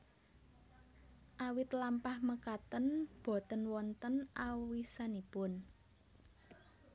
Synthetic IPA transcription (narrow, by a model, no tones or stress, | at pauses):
ʔawɪt̪lampahməkat̪ənb̥ɔ̤t̪ənwɔnt̪ənʔawisanipʊn